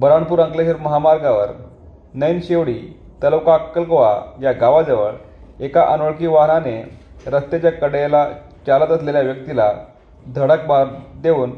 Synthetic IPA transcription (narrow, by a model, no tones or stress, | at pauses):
bəɾaɳpuːɾə̃ŋkleɕiɾməɦamaɾɡaʋəɾ | nəjnɕeʋɽiː | t̪ələwkakːəlkʋa̰jaɡaʋad͡zəʋə̰ɭ | ekaʔənoɭkiːʋaɦɳane | ɾəst̪et͡ɕjakəɽela | t͡ɕalət̪əsleljaʋjək̚t̪ila | d̪ʱəɽəkmaɾd̪eʋuːn